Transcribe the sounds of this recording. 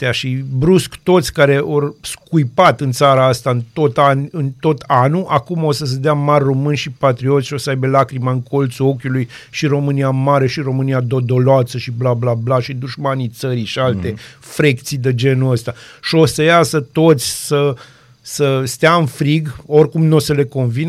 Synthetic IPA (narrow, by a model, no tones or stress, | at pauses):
t̪eaʃibɾuskt̪o̞t̪sʲkaɾe̞ʔorskujpat̪ɨnt̪saɾaast̪aɨnt̪o̞t̪anɨnt̪o̞t̪ʰanuʔakumo̞səs̬əd̪eamarʲro̞mɨnʲʃipat̪ɾio̞t̪sʲʃiosəajbelakɾimaɨŋkʰo̞lt̪suo̞kʲulujʃiɾo̞mɨniamaɾe̞ʃiɾo̞mɨniad̪o̞d̪o̞loasəʃiblablablaʃid̪uʒmanit̪səɾiʃialt̪efɾekt̪sid̪ed͡ʒe̞nuəst̪aʃio̞səjasət̪o̞t̪sʲsə | səst̪eaɨnfɾiɡo̞rʲkumnosəle̞ko̞nvin